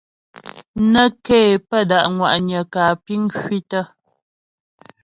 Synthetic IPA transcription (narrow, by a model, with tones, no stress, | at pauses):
nə˦keː˦˨pə˦˨da˨ʔŋwa̰˨ʔɲə˨kaː˨pi˦ŋkɥi˦tə˦